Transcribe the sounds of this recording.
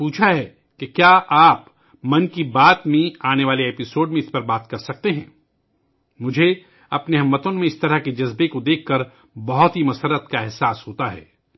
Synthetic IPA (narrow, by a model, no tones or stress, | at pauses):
puːt͡ʃʰaɦɛː | kekjaːʔaːp | mɐnkibaːt̪mẽaːneʋaːleeːpɪsoːɖmẽɪspɐɾbaːt̪kɐɾsɐk̚t̪eɦɛ̃ː | mʊd͡ʒʱe | ɐpneɦɐmːət̪õmẽɪst̪ɐɾəɦked͡ʒɐzbekod̪eːkʰːɐɾ | bɐɦʊt̪ɦimɐsəɾːət̪kaɛɦsaːsɦoːt̪aɦɛ̰ː